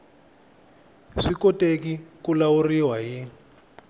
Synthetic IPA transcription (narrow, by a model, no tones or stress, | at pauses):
ʂikɔtekikulauriwaɦi